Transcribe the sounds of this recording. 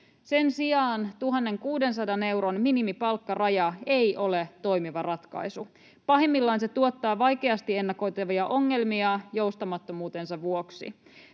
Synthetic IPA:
se̞nsiɑːnt̪uɦɑnːe̞ŋkuːde̞nsɑdɑne̞wɾo̞nminimipɑlkːɑrɑjɑe̞jʔo̞le̞t̪o̞jmiʋɑrɑt̪kɑ̰jsu | pɑɦemːilːɑnse̞t̪uot̪ːɑːʋɑjke̞ɑst̪ie̞nːɑko̞jt̪eʋiɑʔo̞ŋːe̞lmiɑjo̞ust̪ɑmɑt̪ːomuːt̪e̞nsɑʋʋuoksḭ

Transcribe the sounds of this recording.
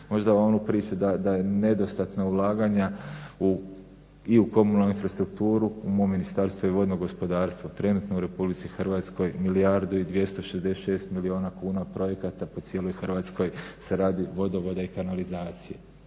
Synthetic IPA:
mo̞ʒd̪aonupɾiːt͡ʃud̪ad̪aje̞ne̞d̪o̞st̪at̪naulˠaːɡaɲau | iuko̞munoinfɾast̪ɾuk̚t̪uːɾuumoːmːinist̪aɾst̪ʋoiʋo̞d̪noɡo̞spo̞d̪aːɾst̪ʋot̪ɾe̞nuːt̪no̞uɾe̞publit̪sixrʋaːt̪sko̞jmilijaɾd̪uid̪ʋje̞st̪o̞ʃezd̪eʃe̞ːst̪milio̞ːnakuːnapɾo̞jekat̪apo̞t̪sje̞ːlˠo̞jxrʋaːt̪sko̞jseɾaːd̪iʋo̞d̪oʋo̞d̪aikanalizaːt̪sijḛ

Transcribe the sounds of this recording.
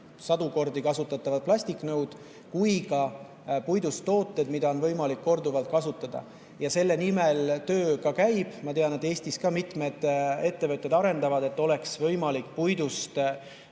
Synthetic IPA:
sɑd̪̥uko̞rd̪ikɑsut̪ːˑɑt̪ːˑɑvɑd̪̚plɑsʲt̪ikːˑnɤwd̪̥ | kujkɑ | pujd̪̥ust̪ːo̞ːt̪ːˑe̞d̪̥mid̪̥ɑo̞nvɤjmɑlikːo̞rd̪uvɑlt̪̚kɑsut̪ːˑɑd̪̥ɑ̰ | jɑse̞lːe̞nimelt̪ø̞ːkɑkæjb̥mɑt̪e̞ɑned̪̥e̞ːsʲt̪iskɑmit̪ˑme̞d̪̥e̞t̪ːe̞vɤt̪ʲːˑe̞d̪ɑɾe̞nd̪ɑvɑd̪̥e̞t̪ːˑo̞le̞ksvɤjmɑlikːˑpujd̪ust̪

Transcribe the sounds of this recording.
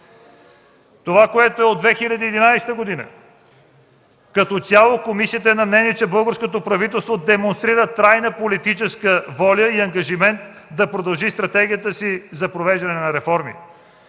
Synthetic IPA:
t̪ovakoɛt̪oɛod̪vɛxilʲəd̪iːd̪inajsɛ̥t̪əɡod̪inə̰ | kɐt̪ɔt̪ʲalˠokomisiət̪əɛnɐmnɛniɛt͡ʃɛbɤlˠɡəɾskot̪opɾɐvit̪ɛlˠst̪vod̪ɛmonst̪ɾiɾət̪ɾajnəpolit̪it͡ʃɛskəvɔlʲəiɐŋɡɐʒimɛnt̪ | d̪ɐpɾod̪ɐlˠʒist̪ɾɐt̪ɛɡʲijət̪əsizɐpɾovɛʒd̪ɐnɛnɐɾɛfɔɾmḭ

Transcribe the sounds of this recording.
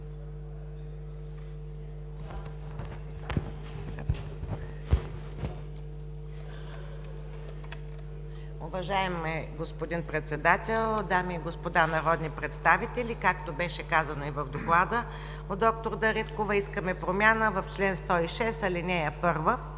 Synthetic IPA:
ovɐʒaɛmɛɡospod̪inpɾɛt̪sɛd̪at̪ɛlˠd̪amiːɡospod̪anɐɾɔd̪nipɾɛt̪st̪avit̪ɛlikakt̪obɛʃɛkazənoivɐvd̪oklˠad̪ə | oɔk̚t̪oɾd̪ɐɾit̪kovɐiskəmɛpɾomʲjanəvəft͡ʃlɛnst̪ɔiʃɛsɐlinʲɛjəpɤɾvə

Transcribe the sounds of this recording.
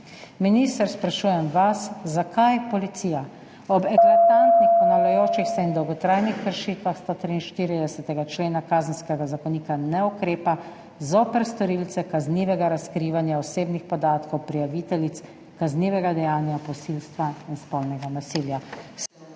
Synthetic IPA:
minist̪əɾspɾaʃuːjɛmʋaszakajpɔlit̪sija | ɔbɛklat̪ant̪nixpɔnawlajoːt͡ʃixsɛind̪ɔwɡɔt̪ɾajnixkəɾʃiːt̪ʋaxst̪ot̪ɾiːnʃt̪iɾid̪ɛsɛt̪ɛɡat͡ʃleːnakaːzənskɛɡazakɔniːkanɛɔkɾeːpa | zopɛɾst̪ɔɾilt̪sɛkazniːʋɛɡaɾaskɾiːʋanjaɔseːbnixpɔd̪aːt̪kɔwpɾijaʋiːt̪ɛlit̪s | kazniːʋɛɡad̪ɛjaːnjapɔsilst̪ʋainspɔlnɛɡanasiːlja

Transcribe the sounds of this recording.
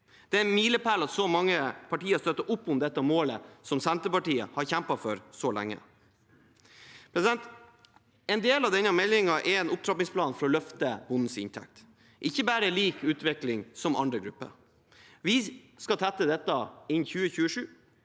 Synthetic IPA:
d̪̥ɛænmiːləpælɑt̪sɔmɑŋːəpʰɑʈiːəst̪œt̪ːəɾʔʊpːʊmd̪ɛt̪ːəmoːləsɔmsænt̪əpɑʈiːə̰hɑɾçæmpɑfɔɾsɔlæ̰ŋːə̰ | pʰɾɛsɪd̪ɛnt̪ | ɛnd̪eːlɑʋd̪ɛnːəmɛlɪŋɑʔɛɾɛːnʊp̚t̪ɾɑpɪŋspʰlɑːnfɔɾɔlœft̪əb̥ʊnn̩sɪ̰nt̪ʰɛ̰k̚t̪ | ʔɪçːəbæːɾəliːkʉːt̪ʋɛklɪŋsɔmʔɑ̰nd̪ɾəɡɾʉpːə̰ɾ | ʋɪ | skɑt̪ʰæt̪ːəd̪ɛt̪ːɑɪnːçʉːəçʉːəʂʉː

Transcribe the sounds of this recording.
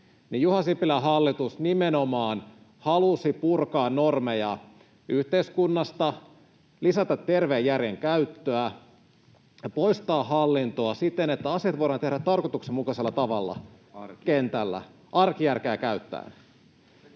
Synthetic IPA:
nijjuhɑsipːilæɦɑlːit̪usnimenomɑːn | hɑlusipurkɑːnːormejɑ | yht̪eiskunːɑst̪ɑ | lisæt̪ɑt̪ːerʋeːjːærjeŋkæyt̪ːøæ | jɑpo̞ist̪ɑːɦɑlːint̪oɑsit̪ːenet̪ːæɑsiɑt̪ʋoiɾɑːnt̪ehɾæt̪t̪ɑrkot̪uksemukɑselːɑt̪ɑʋɑlːɑ̰ | kkent̪ælːæ̰ | ʔɑrkijærkeːkæyt̪ːæ̰ːn

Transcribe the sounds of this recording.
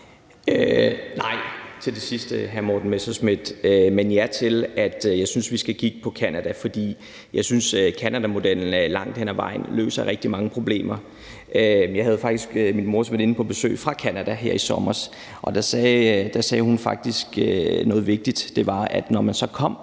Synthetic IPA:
ønɑ̈ɪ̰t͡sʰe̝ld̥e̝sisd̥əɦæɐmɒd̥n̩mesɐsmid̥ømenjæɐt͡sʰe̝læd̥jɑ̈ɪsynsʋisɡ̥ækʰiɡ̥əpʰɒ̽kʰænæd̥æfɒ̽d̥ḭː | jɑ̈ɪsynsøkʰænæd̥æmo̝d̥el̰n̩lɑ̈ŋ̰d̥henæʋɑ̈ɪ̰n̩lø̰ːsɐʁɛɡ̥̚d̥imɑ̈ŋəpʰʁo̝b̥le̝̰ːmɐ | ʔøjɑ̈ɪɦæð̞̩ˠfɡ̥̚d̥isɡ̥minmo̝ɐsmedˠe̝nəpʰɒ̽b̥e̝sø̰ːfʁɑ̈kʰænæd̥æɦeɐ̰isɒ̽mɐs | ʔɒ̽d̥æsɛːd̥æsɛːhunfɑ̈ɡ̥̚d̥isɡ̥ønɔ̽ːð̞̩ˠʋe̝ɡ̥̚d̥id̥d̥e̝ʋɑ̈æd̥nɒmænsɒ̽kʰɒ̽m̰

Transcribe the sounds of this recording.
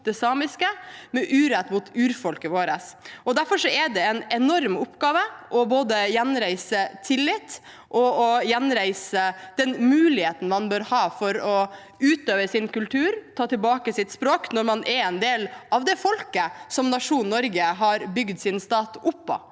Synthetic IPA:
d̪̥ɛsɑːmɪskəmɛʔʉːɾɛt̪ːmʊt̪ʉːɾfɔlkəʋoːɾəsɔd̪æɾfɔɾʂɔɛɖ̪ɛɛnɛnɔɾmʊpɡɑːʋəʔɔboːd̪əjɛnɾæɪsət̪ʰɪlːɪt̪ː | ʔɔɔjɛnɾæɪsəd̪̥ɛnmʉːlɪheːt̪n̩mɑnbøːɾhɑːfɔɾɔ | ʉːt̪øːʋəsɪnkʉlt̪ʰʉːɾt̪ʰɑːt̪ɪlbɑːkəsɪt̪spɾoːknɔɾmɑnʔɛɾɛnd̪eːlʔɑʋd̪ɛfɔlkəsɔmnɑʂuːnnːɔɾɡəɦɑɾbʏɡd̪sɪnst̪ɑːt̪ʊpːɔ̰

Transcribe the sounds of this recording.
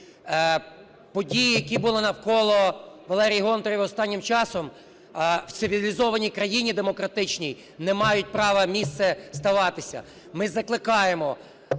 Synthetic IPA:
pɔdʲijijɐkʲibulˠɪnɐwkɔlˠɔʋɐlˠɛɾʲijɦɔnt̪ɔɾʲʋiɔst̪ɑnʲːɪmt͡ʃɑsɔm | w̪sɪʋʲilʲizɔʋɐnʲikɾɐjinʲid̪emɔkɾɐt̪ɪt͡ʃnʲij | nɛmɑjʊt̚ʲpɾɑʋɐmʲist̪sɛst̪ɐʋɑt̪ɪsʲɐ̰ | mɪzɐklˠɪkɑjemɔ

